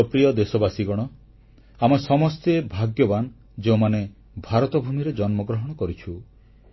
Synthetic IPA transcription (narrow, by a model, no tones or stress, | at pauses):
ɔpɾijɔd̪esɔbasiɡɔɽ̃ɔ | amesɔmɔst̪ebʱaɡjɔban | d͡ʒeũmane | bʱaɾɔt̪ɔbʱumiɾed͡ʒɔnmɔɡɾɔɦɔɽ̃ɔkɔɾit͡ʃʰu